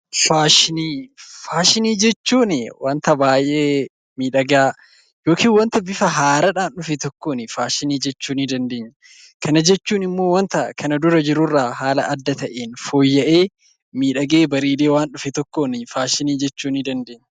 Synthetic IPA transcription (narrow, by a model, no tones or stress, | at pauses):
faːʃɪniːfaːʃɪniːd͡ʒɛt͡ʃːuːnɪwant̪ɐbaːjʔeː | miːᶑɐɡaː | jo̞ːkiːnwɐnt̪ɐbɪfɐɦaːɾɐᶑaːnᶑʊfɛt̪ɔkːoːnɪfaːʃɪniːd͡ʒɛt͡ʃːuːnɪd̪ɐnd̪eːɲːɐ | kʰɐnɐd͡ʒɛt͡ʃːuːnɪmːo̞ːwɐnt̪ɐʔkʰɐnɐd̪ʊɾɐd͡ʒɪɾʊrːaːɦaːlɐʔɐd̪ːɐt̪ɐʔeːnfo̞ːjːɐʔe̞ː | miːᶑɐɡe̞ːbɐɾiːleːwaːnᶑʊfɛt̪ɔkːoːnɪfaːʃɪniːd͡ʒɛt͡ʃːuːnɪd̪ɐnd̪eːɲːɐ